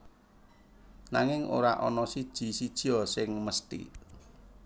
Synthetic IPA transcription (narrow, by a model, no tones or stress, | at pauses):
naŋɪŋʔo̰ɾaʔɔnɔsid̥ʒ̥i̤sid̥ʒ̥iɔsɪŋməst̪ḭ